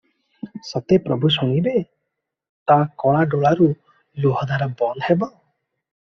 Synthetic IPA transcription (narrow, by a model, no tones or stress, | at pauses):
sɔt̪epɾɔbʱus̬ɔŋ̃ibe | t̪akɔɭ̃aɖɔɭaɾu | luɦɔd̪ʱaɾabɔnhebɔ